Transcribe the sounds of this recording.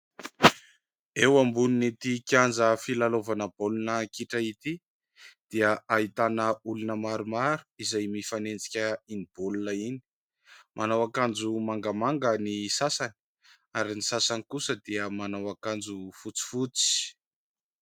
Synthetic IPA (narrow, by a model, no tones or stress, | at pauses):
ewambuninit̪ikʲand͡zəfilalovanəb̥olunəkiʈ͡ʂait̪i | d̪̥iəʔaɦit̪anəulunəmaɾumaɾu̥izajmifanend͡zi̥kʲəinib̥olunəini̥ | mʔanawakand͡zumaŋɡəmaŋɡənisasani̥ | aɾinisasanikusəd̪iəmanawakand͡zufut͡si̥fut͡si̥